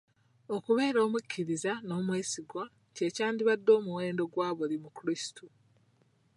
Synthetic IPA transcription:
okuβe̞ːɾo̞ːmucʲʰːiɾizano̞ːmweːsiɡwa | ce̞ːcaːndiβadːo̞ːmuweːndo̞ɡwaːβulimukuɾistu

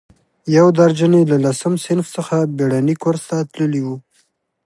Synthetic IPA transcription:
jawd̪aɾd͡ʒənelalasəmsɪnfsəxabeɽanikoɾst̪at̪ləliwu

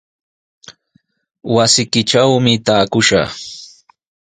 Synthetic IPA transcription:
wasɪkɪʈ͡ʂawmɪt̪aːkʊʃa̰

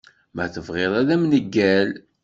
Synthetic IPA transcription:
mæθəvʁeðˤæðæmnəɡːæl

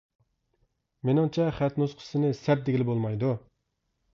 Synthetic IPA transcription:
menɪŋt͡ʃʰɛχæt̪nusqʰə̥sɨnɨsɛɾ̚d̪eɡʲɪlɪbolˠmɑjd̪u

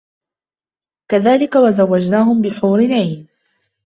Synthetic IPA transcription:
kaðaːlɪkawazawːad͡ʒnaːhʊmbɪħuːɾɪnʕiːn

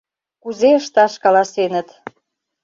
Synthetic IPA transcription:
kuzeəʃt̪ɑʃkɑlɑsenət̪

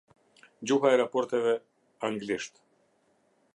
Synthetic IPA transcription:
d͡ʑuɦaɛɾapɔɾt̪ɛvɛ | aŋɡliʃt̪

